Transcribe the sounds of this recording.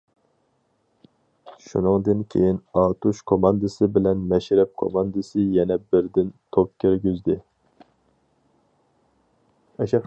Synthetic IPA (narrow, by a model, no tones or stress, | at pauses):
ʃṵnɨŋd̪ɨnkʲʰḛjinɑːt̪uʃkʰomɑnd̪ɨsɨbɪlɛnmɛʃɾɛp̚kʰo̰mɑnd̪ɨsɨjɛnɛbɪɾd̪ɪnt̪ʰop̚kʲʰeɾɡʲyzd̪ɪ | ɛʃɛ